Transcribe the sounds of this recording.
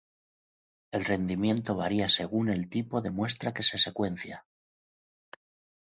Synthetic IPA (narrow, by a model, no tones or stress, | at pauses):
e̞lre̞nd̪imjẽ̞nt̪o̞β̞aɾiase̞ɣ̞une̞lt̪ipo̞ðe̞mwe̞s̬t̪ɾake̞se̞se̞kwe̞n̟θja